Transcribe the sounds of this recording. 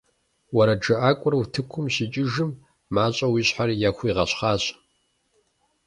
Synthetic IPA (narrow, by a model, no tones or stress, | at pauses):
wɐɾɐd͡ʒɐʔaːkʷʼʊrwtʰɨkʷʰʊmɕit͡ʃʼɪʒɨmː | aːɕʼɐwiːɕħarjaːxʷiːʁɐɕχɑːɕ